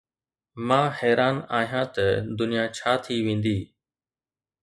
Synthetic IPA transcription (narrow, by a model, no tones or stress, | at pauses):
mãːhɛːɾaːnaːɦijãːt̪əd̪ʊnijaːt͡ʃʰaːt̪ʰiʋẽːn̆d̪iː